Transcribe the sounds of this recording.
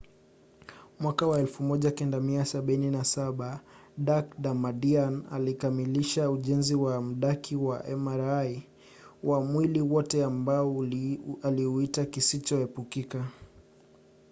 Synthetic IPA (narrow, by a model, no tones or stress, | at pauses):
mwakawaɛlfumɔʄakɛndamiasaɓininasaɓaɗakɗamaɗiana̰likamiliʃauʄɛnziwam̩ɗakʰiwaʔɛmaɾaj | wamwiliwɔtɛambaɔ | aliuitakisit͡ʃɔhɛpukika